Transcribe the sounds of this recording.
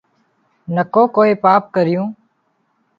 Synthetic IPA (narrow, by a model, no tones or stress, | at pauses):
nəkõːkoːeːpaːp̚kəɾɪjũː